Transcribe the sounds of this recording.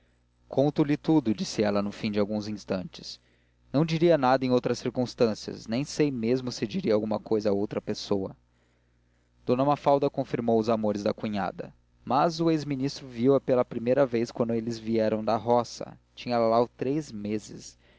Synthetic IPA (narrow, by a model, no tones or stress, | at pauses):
kʰõnt̪ʊlɪt̪ud̪ʊd͡ʒisɪɛlɐnʊfĩd͡ʒɪawɡũzĩst̪ɐ̃nt͡ʃɪ̥s | nɐ̃w̃d͡ʒiɾiɐnad̪ɐẽj̃owt̪ɾɐsiɾkũst̪ɐ̃siɐ̰snẽj̃sejmezmʊsɪd͡ʒiɾiawɡũmɐkojzɐaowt̪ɾɐpesowɐ | d̪̥õnɐmafawd̪ɐkõfiɾmowʊzamoɾɪzd̪ɐkuɲa̰d̪ɐ̰ | mɐzʊezminist̪ɾʊviwɐpelɐpɾimejɾɐvejskwɐ̃nd̪ʊelɪzviɛɾɐ̃w̃d̪ɐɦɔsɐ̰t͡ʃĩɲɐlɐlawt̪ɾejzmezɪs